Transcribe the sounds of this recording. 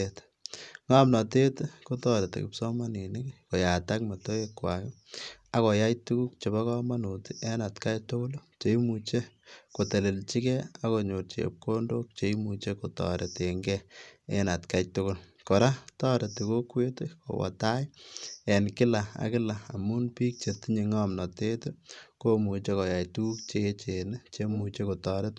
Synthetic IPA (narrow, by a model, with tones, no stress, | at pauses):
et | ŋa˦mnɔ˨te˦tko˦tɔ˦ɾe˨tḛ˨kɪ̰˨psɔ˦ma˦ni˨nɪkko˨ja˨ta˦kma˨to˦e˦kwa˨kɪ | a˨kɔ˨ja˦jtu˦ku˦k̚t͡ʃe˨ba˦kɔ˦ma˦nu˨tiʔe˦na˨tka˦jtʊ˦kʊ˦lt͡ʃe˨i˦mu˨t͡ʃe˦ | ko˨te˨le˨lt͡ʃi˦kɛ˦a˨ko˨ɲo˨rt͡ʃḛp̚ko˦ndo˦k̚t͡ʃe˨˦imut͡ʃe˦ko˨tɔ̰˨ɾe˨te˨ŋɡɛe˦na˨tka˦jtʊ˦kʊ˦lkɔ˨ɾa˦tɔ˦ɾe˨ti˨ko˦kwe˦te˦ko̰˨wɔ̰˨ta˦je˨nkɪ˦la˨a̰˨kɪ˦la˨a˨mu˦npiː˦k̚t͡ʃe˨ti˦ɲe˨ŋa˦mnɔ˨te˦tu˦ko˦mu˨t͡ʃa˦kɔ˨ja˨jtu˦ku˦k̚t͡ʃe˦t͡ʃe˨ne˦t͡ʃe˦mu˨t͡ʃe˦ko˨tɔɾe˦t